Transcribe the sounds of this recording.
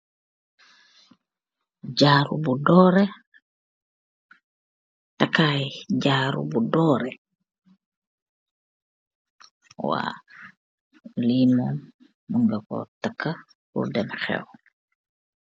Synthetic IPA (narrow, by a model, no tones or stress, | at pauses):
ɟaːɾṵbudɔːɾɛ | takːajɟaːɾṵbudɔːɾɛ | wa̰ː | limɔm | muŋɡɐkɔ̰takːa | pṵɾdɛmxɛ̰w